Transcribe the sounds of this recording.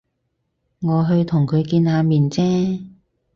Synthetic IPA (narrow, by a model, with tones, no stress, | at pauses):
ŋɔː˨˧ɦɵ˧ɥt̪ʰʊ˨˩ŋkʰɵ˨˧ɥkiː˧nhaː˨˧miː˨nt͡sɛː˥